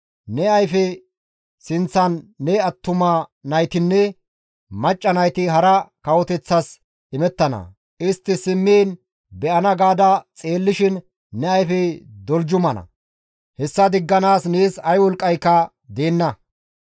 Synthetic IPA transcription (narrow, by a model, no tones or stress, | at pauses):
nɛɐjfɛ | sɪnt͡sːɐnːɛɐt̪ːʊmɐnɐjt̪ɪnːɛ | mɐt͡ʃʼːɐnɐjt̪ɪɦɐɾɐkɐwɔt̪ɛt͡sːɐs | ɪmɛt̪ːɐnɐ̰ | ʔɪst̪ːɪsɪmːeːn | bɛʔɐnɐɡaːd̪ɐt͡sʼe̞ːlːɪʃɪnː | ɛɐjfɛd̪ɔld͡ʒʊmɐnɐ̰ | hɛsːɐd̪ɪɡːɐnaːsneːsɐjwɔlkʼːɐjkːɐ | d̪eːnːɐ